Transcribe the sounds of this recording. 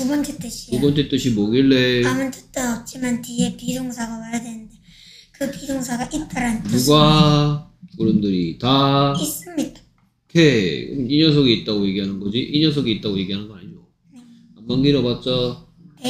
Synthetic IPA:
tubʌnt͡ɕ͈ʰet͈ɯɕʰiubʌnt͡ɕet͈ɯɕʰimoɡiɭːeamɯntɯ̥t͈ʌʌp̚t͡ɕ͈imantie̞pid͡ʑoŋsʰaɡamajadenɯnde̞ | kɯpid͡ʑoŋsʰaɡaʔitt͈ʌɾantuɡa | kuɾɯmdɯɾitais͈ɯmɲidḁ | kʰeiɲʌs̬ʰoɡiit̚t͈aɡoje̞ɡiɦanɯnɡʌd͡ʑiʔiɲʌs̬ʰoɡiit͈̚aɡoje̞ɡiɦanɯnɡʌaɲio | e | ambʌŋɡiɾʌbat̚t͡ɕ͈ʌ

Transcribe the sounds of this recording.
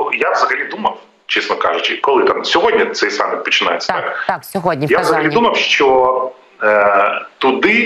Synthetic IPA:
javzɐɣɐlʲid̪umɐw | t͡ʃɛsnɐka̰ʐʊt͡ʃɪkɔlˠɪt̪amsʲɔɦodʲnʲɐt̪sɛjsa̰mɪpɔt͡ʃɪna̰j̰t̪t͡ssʲɐt̪akɦjavzɐɐlʲid̪umɐwʃt͡ʃɔ | t̪ʊd̪ɪ

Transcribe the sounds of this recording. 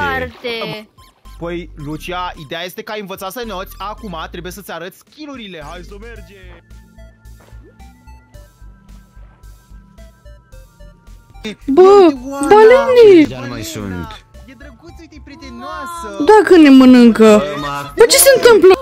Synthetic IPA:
t̪e | pəjlut͡ʃiaid̪e̞jaje̞st̪e̞kəajɨnvət̪sat̪sənot̪sʲakumat̪ɾe̞buje̞sət̪eaɾət̪sʲkʲiluɾilehajsomerd͡ʒe | bəbalenia̰jsṵnt̪ | jed̪ɾəɡusʲt̪epɾit̪enasəd̪akəne̞mənɨŋkəbət͡ʃe̞se̞nt̪ɨmplə

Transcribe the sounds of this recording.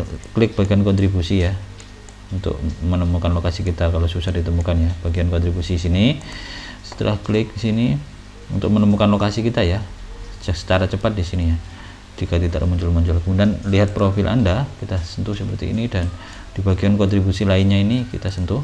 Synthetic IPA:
klɪk̚b̥aɡiankɔnt̪ɾibusija | unt̪ʊ̰k̚mənəmukanlokasikit̪akalosusardit̪əmukanjab̥aɡiankɔnt̪ɾibusisini | sə̥t̪ə̰lʔa̰hklɪk̚disini | ṵnt̪ʊk̚mənəmukanlokasikit̪aja | sə̥t͡ʃaɾat͡ʃəpat̪̚disinija | d͡ʒikat̪idaʔmɔɲd͡ʒʊlmɔɲd͡ʒulkəmudianliɦat̪̚pɾofɪlʔa̰ndakit̪asənt̪ʊhsəpərt̪ḭːnidan | d̥ibaɡiankɔnt̪ɾibusilainɲainikḭt̪asənt̪ʊh

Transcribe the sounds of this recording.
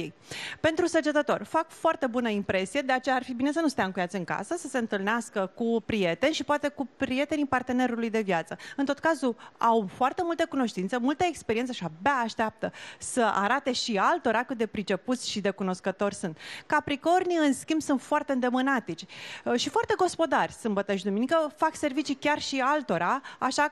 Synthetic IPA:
ej | pe̞nt̪ɾusəd͡ʒet̪ət̪o̞rʲfakfoart̪e̞bunəimpɾe̞sije̞d̪e̞at͡ʃe̞jaːrfibine̞s̬ənust̪eaɨŋkujat̪sɨŋka̰səsəse̞ɨnt̪ɨlneaskəkupɾije̞t̪e̞nʲʃipoat̪e̞kupɾije̞t̪e̞nipart̪e̞ne̞ɾulujd̪e̞vjat̪səɨnt̪o̞t̪̚kazuawfoart̪e̞mult̪əkuno̞ʃt̪int̪səmult̪əekspeɾiensəʃabeaːʃt̪eap̚t̪əsəʔa̰ɾat̪e̞ʃialt̪o̞ɾakɨt̪̚d̪e̞pɾit͡ʃe̞put̪sʲʃid̪e̞kuno̞skət̪o̞rʲsunt̪kapɾiko̞rniɨnskʲimbsunt̪foart̪eɨnd̪e̞mɨnat̪it͡ʃʲʃifoart̪e̞ɡo̞spo̞d̪arʲsɨmbət̪aʃid̪uminikəfakse̞rvit͡ʃikʲarʃialt̪o̞ɾaaʃa

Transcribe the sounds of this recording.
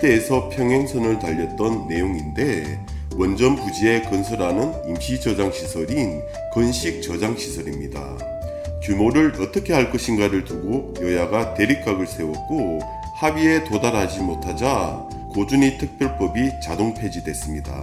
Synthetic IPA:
t͈e̞ːsʰʌpʰjʌŋɦe̞ŋsʰʌnɯɭtaʎːʌt̚t͈ʌnːe̞joŋinde̞ | wʌnd͡ʑʌnpud͡ʑie̞kʌnsʰʌɾanɯnimɕʰid͡ʑʌd͡ʑaŋɕʰisʰʌɾin | kʌnɕʰik̚t͡ɕʌd͡ʑaŋɕʰisʰʌɾimɲida̰ | kjumoɾɯɾʌt͈ʌkʰe̞ɦaɭk͈ʌɕʰinɡaɾɯɭtuɡojʌjaɡate̞ɾik͈aɡɯɭsʰe̞wʌk̚k͈o | habie̞todaɾɦad͡ʑimotʰad͡ʑa | kod͡ʑuɲitʰɯk̚p͈jʌɭp͈ʌbit͡ɕadoŋpʰe̞d͡ʑidwe̞s͈ɯmɲida̰

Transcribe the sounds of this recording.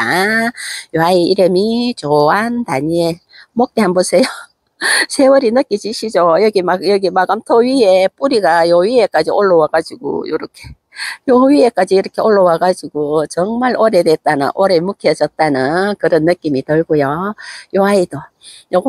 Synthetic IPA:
a | joɦaiiɾɯmit͡ɕoɦantaɲie | mok̚t͈eɦanbosʰe̞jo | sʰewʌɾinɯk͈id͡ʑiɕʰid͡ʑojʌɡimajʌɡimaɡamtʰoɥiep͈uɾiɡajoɥiek͈ad͡ʑioɭːowaɡad͡ʑiɡo̰jo̰ɾokʰe | joɥiek͈ad͡ʑiːɾʌkʰe̞oɭːowaɡad͡ʑiɡot͡ɕʌŋmaɭoɾedwet̚t͈anɯ̰nʔoɾemukʰed͡ʑʌt̚t͈anɯnkɯɾʌnːɯk͈imitɯɭɡojojoɦaido | joɡ

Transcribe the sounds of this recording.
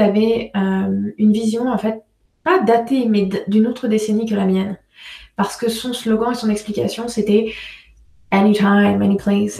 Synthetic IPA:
avɛømynvizjɔ̃ɑ̃fɛt̪̚ | pad̪at̪emɛd̪d̪ynot̪χəd̪esenikəlamjɛn | paʁsə̥kəsɔ̃slɔɡɑ̃esɔ̃nɛksplikʲa̰sjɔ̃set̪ɛ | anit̪ʰajmanikʰles

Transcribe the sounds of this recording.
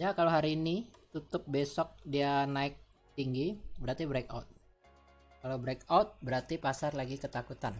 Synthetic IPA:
jakaloɦaɾiːnit̪ut̪ʊp̚besɔk̚dianaɪk̚ | t̪iŋɡibəɾart̪ibɾeka̰ʊt̪̚ | kalawbɾekaʊt̪̚bəɾart̪ipasarlaɡikət̪akut̪an

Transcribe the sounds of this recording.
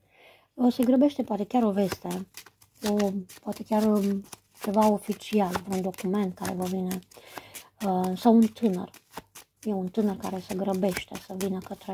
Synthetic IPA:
ɔsɛɡɾəbɛʃt̪ɛpɔat̪ɛkjaɾɔvɛst̪ɛ | ɔpɔat̪ɛkʲjaɾ | t̪ɛvaɔfit͡sialpɾund̪ɔkumɛnt̪̚kaɾɛ̰vɔvinɛ | nsaunt̪ʰɨnə̰ɾ | jɔunt̪ɨnəɾka̰ɾɛsɛɡɾəbɛʃt̪ɛ̰savinakat̪ɾɛ

